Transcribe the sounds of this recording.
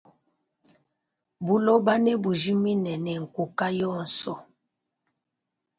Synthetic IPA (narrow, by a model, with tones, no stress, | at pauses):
bu˦lɔ˦ba˦nɛ˦bu˨d͡ʒi˦mi˦nɛ˨nɛ˨ŋ̩˨ku˨ka˦jɔ˦˨n̩˨sɔ˦